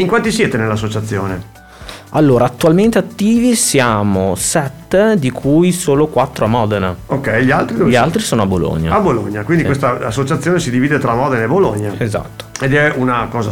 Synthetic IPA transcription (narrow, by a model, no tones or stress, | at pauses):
iŋkwant̪isjɛːt̪enelːas̬ːot͡ʃat̪sːjo̰ːne | alːoːɾaːt̪ːualment̪eat̪ːiːvisjaːmosɛt̪ːd̪ikʰujsoːlokwat̪ːɾoamːɔːd̪eneokːɛjʎialt̪ɾiʎialt̪ɾisoːnoabolo̰ɲːa̰abolo̰ɲːakwind̪ikwest̪aːsːot͡ʃat̪sːjoːnesid̪iviːd̪et̪ɾamɔːd̪eneboloɲːaeza̰t̪ːo̥ed̪ɛunakɔːza